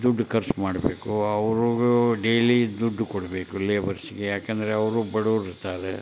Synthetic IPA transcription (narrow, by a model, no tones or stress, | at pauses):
d̪uɖːkɐɾsmaːɽbeːkuɐʋɾuuɖejlid̪uɖːukoɽɐbeːkuleːʋɐɾsiɡejaːkend̪ɐɾeɐʋɾubɐɽoːɾiɾt̪aːɾḛ